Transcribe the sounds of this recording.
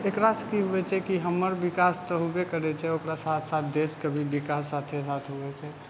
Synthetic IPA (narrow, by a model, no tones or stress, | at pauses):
ekɾaskiɦuɛt͡ʃʰɛkiɦəməɾbɪkaːst̪ɔɦubekəɾɛt͡ʃʰɛokɾasaːt̪ʰsaːt̪̚ʰd̪eːskəbʱibɪkaːsːaːt̪ʰesat̪ʰɦuɛt͡ʃʰɛː